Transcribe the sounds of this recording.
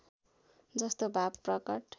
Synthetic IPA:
d͡zʌst̪obʱapprʌkʌʈ

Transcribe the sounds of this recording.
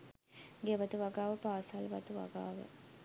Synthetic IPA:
ɡeʋat̪uʋaɡaːʋəpaːsalʋɐt̪uʋa̰ɡa̰ːʋə̰

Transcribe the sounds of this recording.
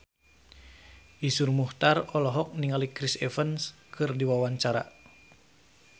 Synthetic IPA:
ʔisurmuht̪arɔlɔɦɔk̚niŋalikɾisɛfənskʰɨrdiwawaɲt͡ʃaɾa̰

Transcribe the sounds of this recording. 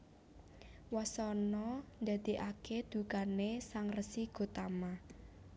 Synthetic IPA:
wasɔnɔnd̪a̤d̪̥i̤ʔaked̪̥ṳkanesaŋrəsiɡ̥o̤t̪ama

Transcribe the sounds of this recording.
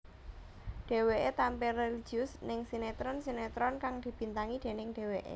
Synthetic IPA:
ɖ̥e̤weʔet̪ampereli̥d͡ʒ̥iʊsnɪŋsinet̪ɾɔnsinet̪ɾɔnkaŋd̪̥i̤b̥i̤nt̪aŋid̪̥e̤nɪŋɖ̥e̤weʔḛ

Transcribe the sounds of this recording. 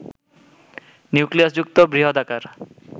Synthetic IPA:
njukliasd͡ʒuk̚t̪ɔbɾiɦɔd̪akaɾ

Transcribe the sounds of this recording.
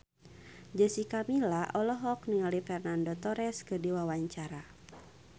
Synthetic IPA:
d͡ʒəsikamilaʔɔlɔɦɔk̚niŋalifɛrnandot̪ɔɾɛskɨrdiwawaɲt͡ʃaɾa

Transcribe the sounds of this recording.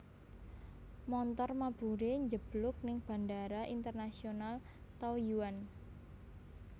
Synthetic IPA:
mɔnt̪ɔrmab̥uɾeɲd͡ʒəb̥lʊk̚nɪŋb̥a̤ndaɾaʔint̪ərnasional | t̪ɔjuwan

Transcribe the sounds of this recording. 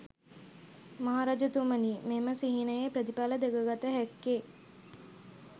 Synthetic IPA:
maɦaːɾaːd͡ʒət̪uməniːmeməsiɦinəjepɾəd̪ipaləd̪eɡəɡat̪əɦækːe

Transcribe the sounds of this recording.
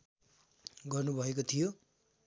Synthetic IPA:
ɡʌrnubʱʌek̬ot̪ʰijo

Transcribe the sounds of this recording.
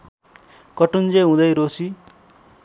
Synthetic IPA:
kʌʈund͡zeɦũd̪ʌjɾosi

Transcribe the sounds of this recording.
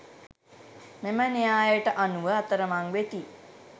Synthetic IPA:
memənijaːjəʈəʔanuʋəat̪əɾəmaŋʋet̪i

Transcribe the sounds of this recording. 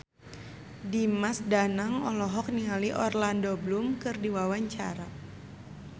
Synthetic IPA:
dimasdanaŋɔlɔɦɔk̚nialiʔɔrlandoblumkɨrdiwawaɲt͡ʃa̰ɾa

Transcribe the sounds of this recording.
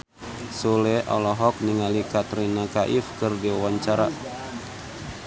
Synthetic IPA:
sulɛʔɔ̰lɔɦɔk̚niŋalikat̪ɾinakaʔifkɨrdiawaɲt͡ʃaɾa

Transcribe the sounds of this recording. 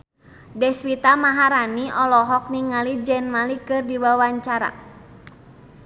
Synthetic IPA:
dɛswit̪amaɦaɾaniʔɔlɔɦɔk̚niŋalid͡ʒɛnmalikɨrdiwawaɲt͡ʃaɾa̰

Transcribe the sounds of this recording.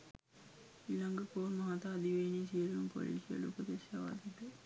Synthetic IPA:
iːlaŋɡəkoːɾmɐɦat̪aːd̪iʋeːnisiəɾiumpo̰lḭːsijə̰lupəd̪eʃjaʋa̰d̪iʈə

